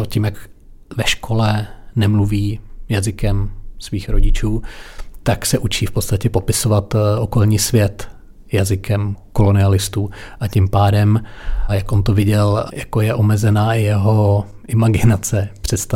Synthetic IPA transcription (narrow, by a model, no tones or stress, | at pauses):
ocɪmjak | vɛʃkʰo̞lɛnɛmluviːjazɪkɛmsviːxɾoɟɪt͡ʃuːt̪aksɛʔut͡ʃiːfpo̞t̪st̪acɛpo̞pɪsovat̪ʔo̞ko̞lɲiːsvjɛt̪ | jazɪkɛmko̞lo̞nɪalɪst̪uːʔacɪmpaːdɛmjakʔont̪ovɪɟɛljakojɛʔo̞mɛzɛnaːʔɪjɛɦo̞ | ʔɪmaɡɪnat͡sɛpr̝̥ɛt̪st̪a